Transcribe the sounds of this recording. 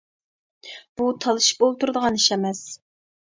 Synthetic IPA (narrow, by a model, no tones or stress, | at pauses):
b̥ut̪ʰɑlˠɨʃi̥p̚olˠt̪uɾd̪əʁɑniʃɛmɛs